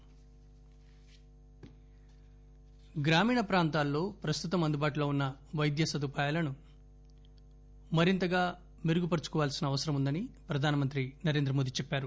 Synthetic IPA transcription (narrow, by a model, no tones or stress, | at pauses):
ɡɾaːmiːɳɐpɾaːnt̪aːlːo̞ːpɾɐst̪ut̪ɐmɐnd̪ubaːʈuloːunːɐʋɐjd̪jɐsɐd̪upaːjalɐnu | mɐɾint̪ɐɡaː | miɾuɡupɐɾt͡ʃu̥kɔʋaːlsinɐːʋɐsɐɾɐmund̪ɐnipɾɐd̪ʱaːnɐmɐnt̪̬ɾinɐɾe̞nd̪ɾɐmoːd̪it͡ʃɛpːaːɾu